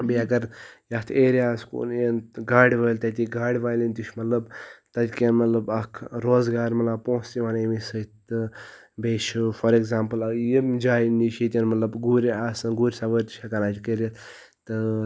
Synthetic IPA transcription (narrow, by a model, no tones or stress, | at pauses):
biɐɡɐɾjɐt̪ʰeːɾiaːskṵnjenɡaːɽʲʋəːlʲt̪ɐt̪iɡaːɽʲʋaːjlint̪iʃmɐt̪lɐbt̪ɐt̪ʲkenmɐt̪lɐbɐkʰɾoːzɡaːɾmɐt̪lab̚põːst̪iʋaːnemisət̪ɨ | beːʃufɐɾeɡzaːmpɨlɐjimd͡ʒaːjniʃit̪ʲɐnmɐt̪lɐbɡuːɾʲaːsɨnɡuːɾʲsaʋəɾt̪i̥ʃʰʲɐkanaːt̪ʲkeɾʲɐt̪ | t̪ɨ